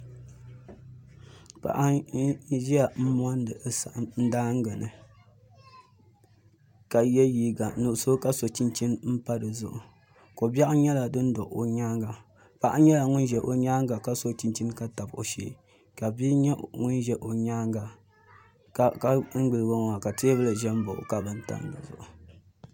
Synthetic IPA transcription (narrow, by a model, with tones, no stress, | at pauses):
pa̰˨ʔa˦ | ʒi˦a˨m̩˦m˦ɔ˦n˦dɨ˨˦sa˨ʔn̩˦daː˦ŋ˦ɡɛ˨nɨ̰˨ | ka˨jɛ˦jiː˦ɡa˨nu˨so˦ka˦so˨t͡ʃi˦nt͡ʃi˦nm̩˦pa˦dɨ˨zʊ̰˦˨ʔʊ˨ | ko˨ba˦ʔɲɛ˦la˨dɨ˦n̩˦dɔ˨ʔo˨ɲaː˦ŋɡa˨ | pa˦ʔa˦ɲɛ˦la˨ŋʊ˦n˦ʒɛ˨ʔo˨ɲaː˦ŋɡa˨ka˦so˦t͡ʃi˦nt͡ʃi˦nka˦ta˨bo̰˨ʃḛ˦ | ka˨bi˦ɲɛ˦ŋʊ˦nʒɛ˦ʔo˨ɲaː˦ŋɡa˨ | kka˦ŋ̩˦ɡ͡bɨ˨lɨ˨ɡo˦ŋ˨a˨ka˨te˦bɨ˦lɨ˨ʒɛ˦m˦bo̰˨ʔʊ̰˨ka˨bɨ˦n˦ta̰˨n˦dɨ̰˨zʊ̰˨ʔʊ˨